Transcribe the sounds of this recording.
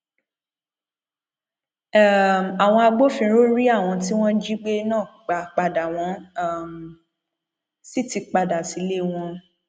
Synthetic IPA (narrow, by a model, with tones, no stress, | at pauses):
ma˨w̃ɔ̃˧a˧ɡ͡bo˦fĩ˧ɾo˦ɾi˦a˦˨w̃ɔ̃˧t̬i˦w̃ɔ̃˦d͡ʒi˦ɡ͡be˦nãː˦˨k͡pa˨k͡pa˨da˨w̃ɔ̃˨˦˨m˨ | si˦ti˧k͡pa˧da˨si˨˦le˦˨w̃ɔ̃˧